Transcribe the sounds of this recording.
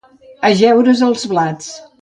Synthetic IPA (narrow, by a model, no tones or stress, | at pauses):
əʒɛwɾəzəlˠzβlat͡s